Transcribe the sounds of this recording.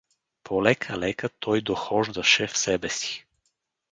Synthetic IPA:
pʰɔlɛkʰalɛkat̪ʰɔjd̪ɔxɔʒd̪aʃɛfsɛbɛsi̥

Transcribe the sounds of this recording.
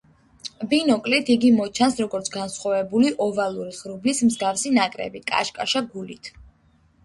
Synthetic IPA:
binɔkʼlit̪ʰiɡimɔt͡ʃʰansɾɔɡɔɾt̪sʰɡansχwavɛbuliʔɔvalˠuɾiχɾublismzɡafsinakʼɾɛ̰bikʼa̰ʃkʼaʃaɡulit̪ʰ

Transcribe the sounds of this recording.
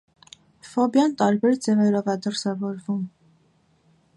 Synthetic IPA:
fɔbjɑnt̪ɑɾbɛɾd͡zɛvɛɾɔvɛd̪əɾsɛvɔɾvum

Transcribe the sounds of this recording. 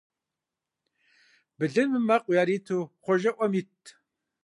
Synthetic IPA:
bɨɮɨnmɨmɐqʷʼʊjaːɾiːtʰuːχʷɔʒɐʔʷɐmitʰ

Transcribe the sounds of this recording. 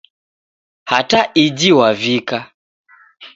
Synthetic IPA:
hataʔid͡ʒiwavika

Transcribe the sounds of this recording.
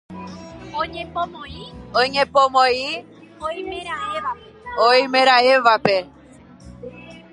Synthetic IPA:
õɲẽpõmõioɲẽpõmõi | oimẽɾaea | oimẽɾaeʋape

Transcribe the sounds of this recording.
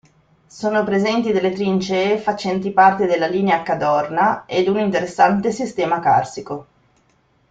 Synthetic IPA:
soːnopɾezɛnt̪id̪elːet̪ɾint͡ʃefat͡ʃɛnt̪ipart̪ed̪elːaliːneakad̪ɔrnaed̪unint̪eɾesːant̪esist̪ɛːmaka̰rsiko

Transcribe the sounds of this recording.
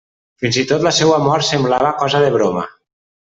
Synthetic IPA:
finzit̪ot̪ləsɛwamɔɾsemblaβəkɔzəðeβ̞ɾoma̰

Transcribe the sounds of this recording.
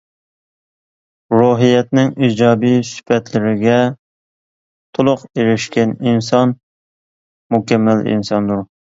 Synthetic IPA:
ɾuɦijɛt̪̚nɪŋid͡ʒɑːbijsy̥pʰɛt̪lɪɾɪɡʲɛ | t̪ʰʊlˠʊqeɾɪʃkʲɛninsɑn | mukʲɛmːælḭnsɑnd̪uɾ

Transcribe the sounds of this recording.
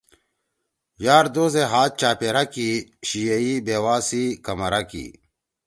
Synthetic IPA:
jaːɾd̪oːzeɦaːt̪̚t͡ɕaːpeɾɐkiɕijɐibeːwaːsikɐmɐɾɐkḭ

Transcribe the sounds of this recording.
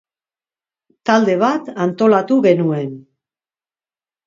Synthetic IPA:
t̪ald̪e̞β̞at̪ant̪o̞lat̪uɣe̞nue̞n

